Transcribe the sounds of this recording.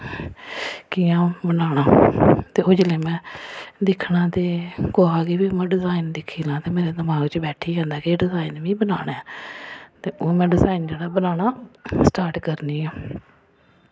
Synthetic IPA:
kiːãːbənaːɳaːt̪eːoːd͡ʒleːmɛ̃ːd̪ɪkʰnãːt̪eːkoːɦaːɡiːbiːmɛ̃ːɖɪzaːind̪ɪkʰiːlãːt̪eːmeːɾeːd̪əmaːɡt͡ʃbɛːʈʰiːãːnd̪aːkeɖɪzaːinʋĩːbənaːɽaːɛ | t̪eːoːmɛ̃ːɖɪzaːɪind͡ʒeːɽaːbənaːnaːsʈaːɾʈkəɾniːaː

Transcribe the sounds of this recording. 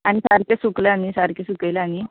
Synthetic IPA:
añisaɾkesuklaanisaɾkesukəjlaañi

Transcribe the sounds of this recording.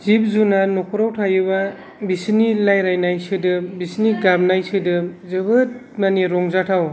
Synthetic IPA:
zip̚zunanɔkʰɔɾawtʰajɯba | bisinilajɾajnajsɯdɯbisniɡab̚najsɯdɯzɯbɯt̚ | maniɾɔŋzatʰaw

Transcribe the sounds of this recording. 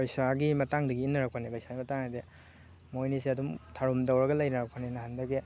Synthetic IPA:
bajsaɡimɐtaŋdɐɡiːnːɐɾak̚pʰanebajsaɡimɐtaŋade | mojnisiɐdumtʰaɾumdawɾɐɡɐlɐjnɐɾak̚pʰanenɐhandɐɡe

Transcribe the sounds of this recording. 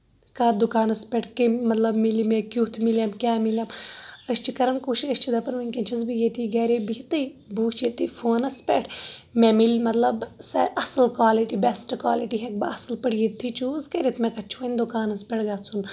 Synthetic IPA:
kaːd̪ukaːnɐspʲeʈʰkemɐt̪lɐbmilimẽkjuːt̪ʰmiljamkʲaːmiljamɐst͡ʃʰikɐɾɐnkuːʃiɐsʲt͡ʃʰid̪ɐpɐnʋinʲkɐnt͡ʃʰɐzbijet̪ʰiɡɐːɾebit̪ɐibuːt͡ʃit̪ːifoːnɐspʲɛʈʰmemilʲmɐt̪lɐbsɐʔɐsɐlkwaːliʈibesʈkwa̰ːliʈiɦek̚bɐ̰ɐsɨlpɐɽjit̪ʰːit͡ʃuːzkɐɾit̪ʰmẽkɐt͡ʃʰunʲd̪ukaːnɐspʲɛʈɡaːt͡sʰun

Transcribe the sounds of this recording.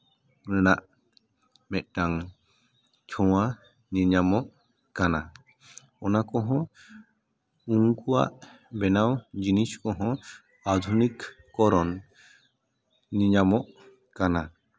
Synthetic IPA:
ɾɛnaʔ | mɛt̪̚ʈaŋ | t͡ʃʰɔwa | niɲamɔʔ | kana | ɔnakɔɦɔ̃ | uŋkuwa̰ʔ | bɛnawd͡ʒiniskɔɦɔ̃ | ad̪ʱunikː | ɔɾɔn | iɲamɔʔ | kana

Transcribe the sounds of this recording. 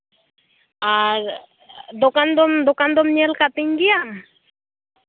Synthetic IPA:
aɾ | d̪okand̪omd̪okand̪omɲelkat̪iŋɡijam

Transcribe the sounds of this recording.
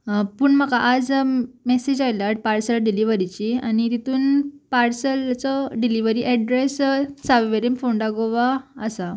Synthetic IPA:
puːɳməkaʔad͡zmesed͡ʑajlaʈ̚paɾsəlɖiliʋəɾit͡ɕianit̪it̪uːnpaɾsəlt͡sɔɖiliʋəɾiʔɛɖɾessaʋʋeɾimfoɳɖaɡoʋaəsa

